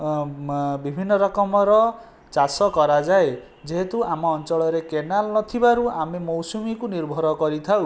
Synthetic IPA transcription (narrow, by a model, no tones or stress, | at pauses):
bibʱinːɔɾɔkɔmɔɾɔ | t͡ʃasɔkɔɾad͡ʒae | d͡ʒeɦet̪uamɔːnt͡ʃɔɭɔɾekenalnɔt̪ʰibaɾuamemɔwsumikuniɾbʱɔɾɔkɔɾit̪ʰaw